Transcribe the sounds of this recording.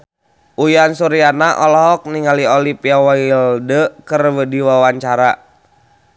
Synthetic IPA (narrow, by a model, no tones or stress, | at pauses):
ʔujansuɾianaʔɔlɔɦɔk̚niŋaliɔlipiawaildəkərwədiwawaɲt͡ʃaɾa